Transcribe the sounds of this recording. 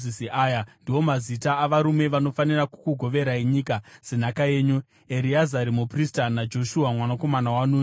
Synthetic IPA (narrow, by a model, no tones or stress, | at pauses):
isiʔaːjandiwo̞mazitaːʋaɾume̞ʋano̞faniraku̥kuɡʱo̞ʋe̞ɾaiɲikaz̥enakaje̞ːɲu | eɾiazaɾimupristanad͡ʒo̞ʃuɦamwanako̞manawanuː